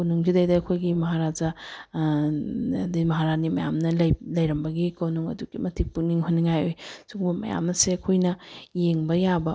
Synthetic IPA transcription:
kownuŋd͡ʒidɐjdaɐkʰojɡimɐɦaɾad͡ʒɐ | dimɐɦaɾanimɐjamnɐlɐjlɐjɾɐmbɐɡikɐwnuŋɐ̰duɡimɐtʰipuniŋɦunːiŋajojsuɡbɐmɐ̰ja̰mnɐseɐkʰojnɐjeŋbɐjabɐ

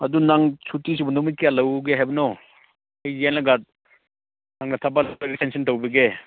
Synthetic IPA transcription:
ɐdunaŋsʰutis̬ibunumit̚kejalɐwɡeɦajbɐnɔ | ɐjːenlaɡat̚ | naŋnɐtʰabalɾitʰensʰintowbɐɡe

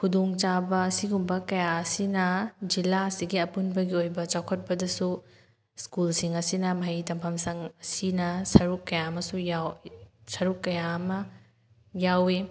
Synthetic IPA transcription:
kʰudoŋt͡ʃabɐːsiɡumbɐkɐjaɐsinɐd͡ʒilaɐsiɡiɐpunbɐɡiojbɐt͡ʃawkʰɐt̚pɐdɐsu | skulsiŋɐsinɐmɐɦijtɐmpʰɐmsɐŋɐsinɐsɐɾukːɐjaɐmɐsujawsɐɾukːɐjaɐmɐ | jawe

